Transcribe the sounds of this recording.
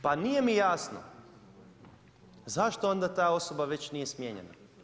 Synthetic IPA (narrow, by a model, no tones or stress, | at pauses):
panije̞mijaːsno̰ | zaʃt̪oo̞nd̪at̪aːo̞so̞baʋe̞t͡ɕnijesmjeːɲḛna̰